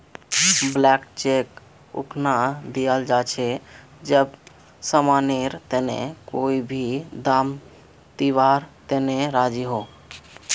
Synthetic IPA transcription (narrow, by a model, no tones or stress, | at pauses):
blɛkt͡ʃek | ṵkʰnad̪ijəld͡ʒat͡ʃʰɛ | d͡ʒəb | səmaneɾt̪enḛkoibʱid̪am | t̪iʋaɾt̪eneɾad͡ʒiɦo